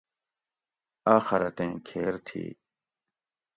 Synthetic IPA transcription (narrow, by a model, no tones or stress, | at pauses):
aːxɐɾɐt̪ẽːkʰeːɾt̪ʰḭː